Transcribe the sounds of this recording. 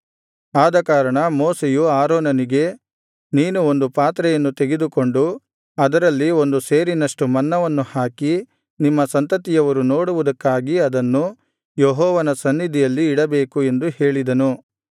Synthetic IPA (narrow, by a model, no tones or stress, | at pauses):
aːd̪ɐkaːɾɐɳɐmoːsejuaːɾɔːnɐniɡe̞ | niːnuo̞nd̪upaːt̪ɾɛjɐnːut̪eɡed̪uko̞ɳɖu | ɐd̪ɐɾɐlːio̞nd̪use̞ːɾinɐʂʈumɐnːɐʋɐnːuhaːki | nimːɐsɐnt̪ɐt̪ijɐʋɐɾuno̞ːɽuʋud̪ɐkːaːɡiɐd̪ɐnːu | jeɦɔːʋɐnɐsɐnːid̪ʱijɐlːiːɽɐbe̞ːkue̞nd̪uhe̞ːɭid̪ɐnu